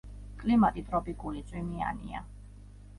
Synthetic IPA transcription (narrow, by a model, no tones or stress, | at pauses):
kʼlimat̪ʼit̪ʼɾɔpʼikʼulit̪sʼwimia̰nḭa̰